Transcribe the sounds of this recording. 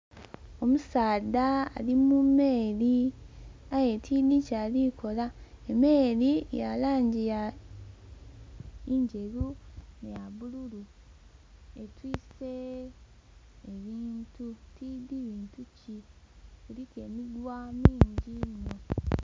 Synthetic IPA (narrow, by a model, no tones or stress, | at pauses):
o̞musaːd̪a̰ːlimume̞ːli | aje̞tʰid̪icaːlikʰo̞laeme̞ːɾijalaːɲɟija | iɲɟe̞lunejaβululu | etwiːse | βiːntutidiβiːntuci | kuɾike̞midwamiːɲɟino